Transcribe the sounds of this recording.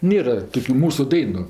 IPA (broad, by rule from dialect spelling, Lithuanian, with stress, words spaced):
ˈnʲeːrɐ ˈtoːkʲʊ ˈmuːsʊ ˈdɐɪnʊ